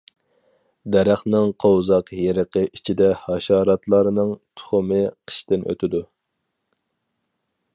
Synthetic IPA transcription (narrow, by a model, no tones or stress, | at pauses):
d̪ɛɾæχnɪŋqʰowzɑqjeɾəqʰəʔit͡ʃʰid̪ɛhɑʃɑːɾɑt̪lˠɑɾɨnɨŋt̪ʰʊ̥χʊmɨqʰə̥ʃt̪ɪnʔø̰t̪ʰɪd̪u